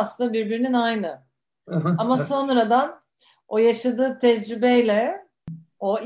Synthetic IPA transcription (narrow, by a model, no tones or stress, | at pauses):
slɯnd̪abiɾbiɾininajnɯ | amaso̞nɾad̪an | o̞jaʃad̪ɯːt̪ʰɛd͡ʒɾybɛjlʲɛ | o̞